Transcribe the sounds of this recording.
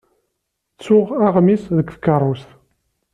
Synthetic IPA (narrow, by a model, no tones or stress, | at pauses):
t͡sːʊʁaʁmisðəkːθə̥kːərˤʊst̪